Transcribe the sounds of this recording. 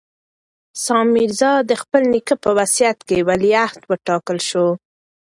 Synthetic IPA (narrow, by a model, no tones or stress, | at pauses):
sɑmiɾzɑd̪əxpəlnikəpəwasijat̪kewaliaht̪wəʈɑkəlʃo